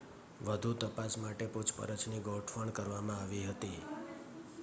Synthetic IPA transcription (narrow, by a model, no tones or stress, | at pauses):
ʋəd̪ʱut̪əpasmaʈeput͡ʃʰpə̰ɾət͡ʃʰniɡoʈʰfəɳkəɾʋamãaʋiɦət̪i